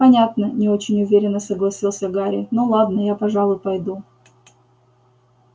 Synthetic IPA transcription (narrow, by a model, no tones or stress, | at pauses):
pɐnʲat̪nənʲɪo̞t͡ɕɪnʲʊvʲeɾʲɪnːəsəɡlˠɐsʲilˠsʲəɡaɾʲɪ̰nolˠad̪nəjapɐʐɑlˠʊjpɐjd̪u